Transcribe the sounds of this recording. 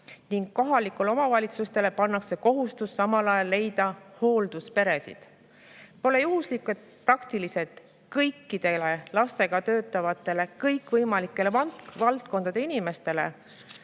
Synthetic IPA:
niŋɡ̥̚ko̞ɦɑlikːulo̞mɑvɑlʲit̪sust̪e̞le̞pɑnːɑkse̞ko̞ɦust̪usːɑmɑlɑjɑlːe̞jd̪̥ɑho̞ːld̪̥uspe̞ɾe̞sḭd̪̥ | po̞le̞juɦuslikˑet̪̚prɑkt̪ilise̞t̪ | kɤjkːˑid̪̥e̞le̞lɑst̪e̞ɡ̥ɑt̪øːt̪ːˑɑvɑt̪ːˑe̞le̞kɤjkːvɤjmɑlikːˑe̞levɑvɑlt̪̚ko̞nd̪̥ɑd̪e̞inime̞st̪e̞le̞̰

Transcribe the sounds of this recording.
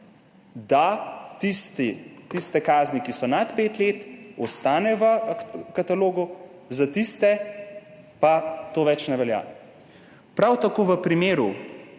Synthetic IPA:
d̪at̪ist̪it̪ist̪ɛkaːznikisɔnat̪peːt̪leːt̪ɔst̪aːnɛʋəkat̪aloːɡu | zat̪ist̪ɛ | pat̪oːʋɛt͡ʃnɛʋɛlja̰ː | pɾawt̪akoːʋəpɾimeːɾu

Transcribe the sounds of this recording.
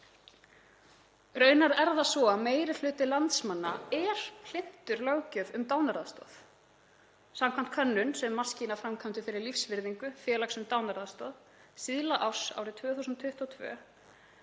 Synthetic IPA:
rœːɥnaɾɛɾðasvɔameːjɾɪl̥ʏːt̪ɪlant̪smanːaɛɾ̥ʰl̥ɪn̥t̪ʏɾlœːwcœvʏmt̪aːwnaɾaðst̪ɔ̰ð | samkʰamn̥t̪̚kʰœnːʏnsɛmːḁscinafɾamkʰœmt̪ʏfɪɾɪɾlifsvɪɾðiŋkʏfjɛːlaksʏmt̪awnaɾaðst̪ɔð | siðlaʔawsa̰wɾɪt̪ʰvœːθusʏnt̪ʰʏht̪ɔt̪ʰvœ̰ː

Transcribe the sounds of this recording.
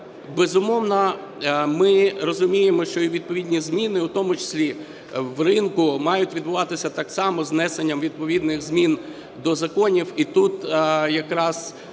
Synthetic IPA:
bezʊmɔwnɔ | mɪrɔzʊmʲijemɔʃt͡ʃɔiʋʲid̪̚pɔʋʲid̪ʲnʲizmʲinɪʊt̪ɔmʊt͡ʃe̥sʲlʲi | wrɪnkʊmɑjʊtʲʋʲid̪̚bʊʋɑt̪ɪsʲɐt̪ɑksɑmɔznɛsenʲːɐmʋʲid̪̚pɔʋʲid̪nɪɣzmʲin | d̪ɔzɐkɔnʲiwit̪ut̪jɐkɾɑz̥

